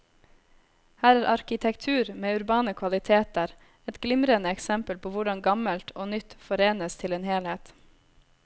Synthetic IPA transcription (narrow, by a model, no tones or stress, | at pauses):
hæːɾæːɾʔɑɾkɪt̪ʰɛkt̪ʰʉːɾmeːʉɾbɑːnəkʰʋɑlɪt̪ʰeːt̪əɾ | ɛt̪ɡlɪmɾənəɛksɛmpəlpʰoːʋʊɖɑŋɡɑməlt̪ʰoːnʏt̪fɔɾeːnəst̪ʰɪleːnheːlheːt̪